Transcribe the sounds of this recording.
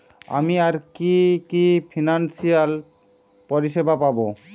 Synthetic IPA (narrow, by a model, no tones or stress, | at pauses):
a̰miaɾkikipʰinansijal | pɔɾiʃebʱapabo